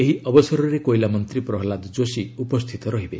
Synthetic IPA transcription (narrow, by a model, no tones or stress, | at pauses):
eɦiʔɔbɔsɔɾɔɾekojlamɔnt̪ɾipɾɔɦɔlad̪ɔd͡ʒosiupɔst̪ʰit̪ɔɾɔɦibe